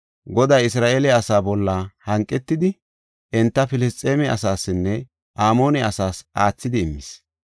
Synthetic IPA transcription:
ɡɔd̪ajɪsɾaːʔeːlɛɐsaːbɔlːahɐŋkʼːɛt̪ːɪd̪ɪ | ʔɪnt̪ːɐfɪlɪst͡sʼːeːmɛɐ̰saːsːɪnːɛ | ʔaːmo̞ːnɛɐsaːsʔaːt͡sːɪd̪ɪːmːɪs

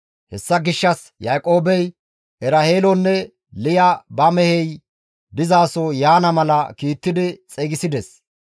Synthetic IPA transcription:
hɛsːɐɡɪʃːɐs | jaːkʼo̞ːbɛj | ʔɛɾɐheːlɔnːɛ | lɪjɐbɐmɛhɛj | d̪ɪzaːsɔjaːnɐmɐlɐkiːt̪ːɪd̪ɪt͡sʼɛɡɪsɪd̪ɛs

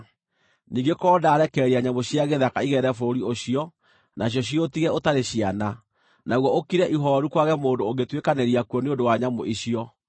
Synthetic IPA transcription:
niːŋɡekɔːdaːɾɛkɛːɾiaɲamoɕiaɣeðakaiɣɛɾɛfoɾioɕiɔ | naɕ̬jɔɕ̬iotiɣɛotaɾeɕiana | naɣwɔokiɾɛʔiɦɔɾukwaɣɛmoːndooɣɡetwekaneɾiakwɔneondowaɲamoʔiɕiɔ

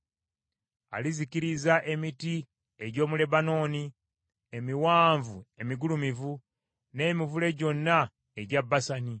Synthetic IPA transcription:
a̰liziciɾizaʔe̞miti | e̞ɟo̞ːmule̞bano̞ːni | e̞miwaːɱvue̞miɡulumivu | ne̞ːmivule̞ɟo̞nːa | eɟabːasani

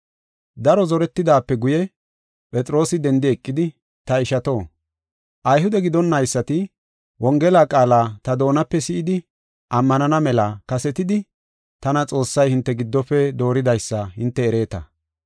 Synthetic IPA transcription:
d̪ɐɾɔzɔɾɛt̪ːɪd̪aːpːɛɡʊjɛ | pʼɛt͡sʼɾo̞ːsɪd̪ɛnd̪ɪɛkʼːɪd̪ɪ | t̪ɐɪʃɐt̪o̞ː | ʔɐjhʊd̪ɛɡɪd̪ɔnːɐjsːɐt̪ɪ | wɔŋɡɛlaːkʼaːlaːt̪ɐd̪o̞ːnɐpːɛsɪʔɪd̪ɪ | ʔɐmːɐnɐnɐmɛlakɐsɛt̪ɪd̪ɪ | t̪ɐnɐt͡sʼo̞ːsːɐjhɪnt̪ːɛɡɪd̪ːɔpːɛd̪o̞ːɾɪd̪ɐjsːɐhɪnt̪ːɛːɾe̞ːt̪ɐ̰

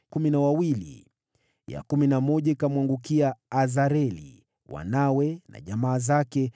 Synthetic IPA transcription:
kuminawawilḭ | ja̰kuminamɔʄaikamwaŋɡukiaːzaɾɛlḭ | wa̰nawɛna̰ʄamaːzakɛ

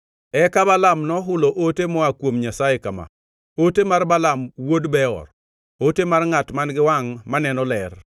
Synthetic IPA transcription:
ɛkabalamnɔɦʊloʔotemɔakwomɲasajekama̰ | otemarbalamwodbɛɔ̰r | otemarŋatmanɡɪwaŋmanɛnɔlɛr

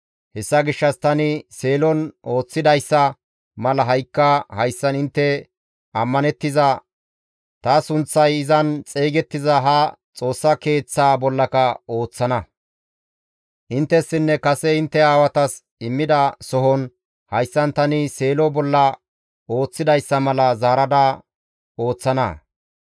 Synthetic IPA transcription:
hɛsːɐɡɪʃːɐst̪ɐnɪse̞ːlɔno̞ːt͡sːɪd̪ɐjsːɐ | mɐlɐɦɐjkːɐhɐjsːɐnɪnt̪ːɛ | ɐmːɐnɛt̪ːɪzɐ | t̪ɐsʊnt͡sːɐjɪzɐnt͡sʼeːɡɛt̪ːɪzɐɦɐt͡sʼo̞ːsːɐke̞ːt͡sːaːbɔlːɐkɐo̞ːt͡sːɐnɐ | ʔɪnt̪ːɛsːɪnːɛkɐsɛɪnt̪ːɛaːwɐt̪ɐs | ɪmːɪd̪ɐsɔɦɔn | hɐjsːɐnt̪ɐnɪse̞ːlɔbɔlːɐ | o̞ːt͡sːɪd̪ɐjsːɐmɐlɐzaːɾɐd̪ɐ | o̞ːt͡sːɐnɐ̰

